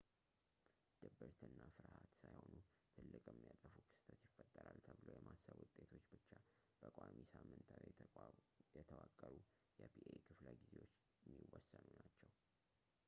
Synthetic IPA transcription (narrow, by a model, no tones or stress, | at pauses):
d̪̥əbəɾt̪ʰɨnːafɨɾhat̪sajho̞nu | t̪ʰɨlːɨkʼjɛmːijat̪ʼəfukʰɨ̥st̪ʰət̪jɪfːət̪ʼːəɾalt̪ʰəβɨlojɛmʔasːəβwʊt̪ʼːe̞t̪ʰo̞t͡ʃːbɨt͡ʃːa | b̥əkʼʷamisamːɨnt̪ʰa | jɛt̪ʰəwakʼːəɾu | jɛbʰiʔekʰɨfləɡize̞wot͡ʃː | ɛmːiwɔsːənunat͡ʃːɛw